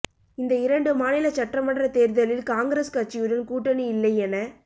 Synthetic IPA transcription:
ɪnd̪ɐɪɾɐɳɖɯmaːnɪlɐt͡ʃɐʈrɐmɐɳrɐt̪eːɾðɐlɪlkaːŋɡɾeːskɐt͡ʃːɪjɯɾɐnkuːʈːɐniɪlːɐɪɛnɐ

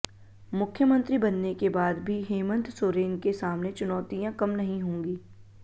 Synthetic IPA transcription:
mʊkʰjəmə̃nt̪ɾibɐnːekebaːd̪bʱiɦeːmə̃nt̪soːɾeːnkesaːmnet͡ʃʊnɔːt̪ijãkɐmnɐɦĩɦõːŋɡiː

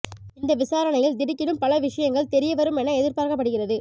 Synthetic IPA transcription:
ɪnd̪ɐʋɪsaːɾɐnɐjɐld̪ɪɽɪkːɪnɯmpɐlɐʋɪʂɐjɐŋɡɐɭt̪ɛɾɪjɐʋɐɾɯmɛnɐɛðɪɾpaːɾɣɐpːɐɽɯɣɪrɐðɯ

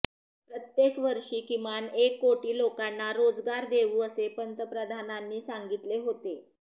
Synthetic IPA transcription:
pɾət̪jekʋəɾʂiːkimanekːoʈiːlokanːaɾod͡zɡaɾd̪eʋuːəsepənt̪əpɾəd̪ʱananːiːsaŋɡit̪leɦot̪e

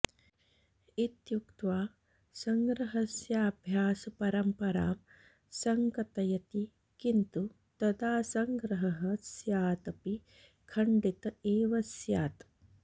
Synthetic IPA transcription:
it̪jukt̪ʋaː | sɐŋɡɾɐɦɐsjaːbʱjaːsɐpɐɾɐmpɐɾa̰ːm | sɐŋkɐt̪ɐjɐt̪i | kint̪u | t̪ɐd̪aːsɐŋɡɾɐɦɐɦɐsjaːt̪ɐpi | kʰɐɳɖit̪ɐeːʋɐsjaːt̪

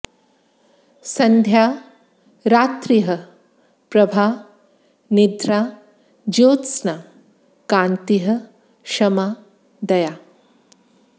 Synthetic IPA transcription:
sɐnd̪ʱjaː | ɾaːt̪ɾiɦɐ | pɾɐbʱaː | nid̪ɾaː | d͡ʒoːt̪snaː | kaːnt̪iɦɐ̆ | ʃɐmaː | d̪ɐjaː

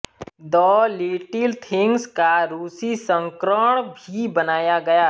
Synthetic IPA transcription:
d̪ɔːleːʈɪlt̪ʰɪ̃ŋɡskaɾuːsisə̃ŋkɾəɽ̃bʱibɐnaːjaɡɐjaː

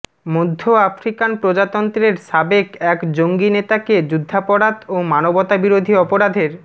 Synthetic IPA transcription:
mod̪ʱːoafɾikanpɾod͡ʑat̪ɔnt̪ɾeɾʃabekɛkd͡ʑoŋɡinet̪aked͡ʑud̪ʱːapɔɾat̪omanobɔt̪abiɾod̪ʱiɔpoɾad̪ʱeɾ

